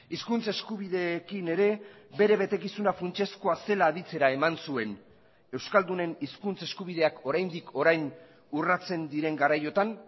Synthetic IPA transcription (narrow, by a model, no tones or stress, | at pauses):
iskunt͡se̞skuβ̞iðe̞kine̞ɾe̞be̞ɾe̞βe̞t̪e̞kisunafɾunt͡ʃe̞sko̞ase̞laːðit͡se̞ɾae̞mansue̞n | e̞wskald̪une̞niskunt͡se̞skuβið̞e̞ako̞ɾajnd̪ikʰo̞ɾajn | urat͡se̞nd̪iɾe̞ŋɡaɾajo̞t̪an